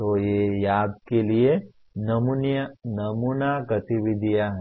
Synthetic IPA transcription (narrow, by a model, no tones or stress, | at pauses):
t̪ojeːjaːd̪̚kelie | nɐmunjənɐmuːnaɡɐt̪iʋɪd̪ʱijaɦɛ